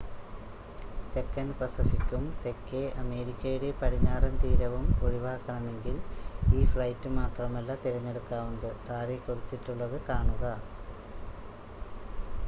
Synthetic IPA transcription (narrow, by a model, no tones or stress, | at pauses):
t̪e̞kːɐnpɐsifikːumt̪e̞kːeʔɐme̞ːɾikʲːɐjuɽepɐɽiɲːaːrɐnt̪iːɾɐʋumoɻiʋaːkːɐɳɐme̞ŋɡiliːfɭɐjtːɨmaːt̪rɐmɐlːɐt̪iɾɐɲːe̞ɽukːaːʋund̪ɨt̪aːɾekːoɽut̪ːiʈːuɭːɐðɨkaːɳuɣɐ